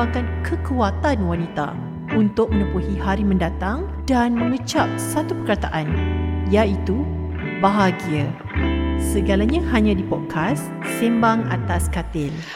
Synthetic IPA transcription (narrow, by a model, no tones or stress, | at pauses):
akankʰəkuat̪anwanit̪a̰ | unt̪ʊk̚mə̃nə̃puhihaɾimə̃ndat̪aŋ | danmə̃ŋət͡ʃap̚sat̪upəkat̪aʔanjait̪u | baɦaɡia | səɡalaɲãhaɲãdipɔt̪̚kʰasː | imbaŋa̰t̪askat̪ɪl